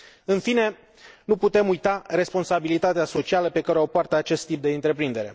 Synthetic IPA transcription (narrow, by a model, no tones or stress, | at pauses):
ɨnfine̞ | nuput̪e̞mujt̪are̞spo̞nsabilit̪at̪easo̞t͡ʃialəpe̞kaɾeopoart̪əat͡ʃe̞st̪ːip̚d̪e̞ɨnt̪ɾe̞pɾind̪e̞ɾe̞̰